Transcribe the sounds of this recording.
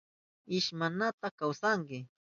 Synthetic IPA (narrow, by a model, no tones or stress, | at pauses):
ɪʃmanat̪akawsaŋkɪ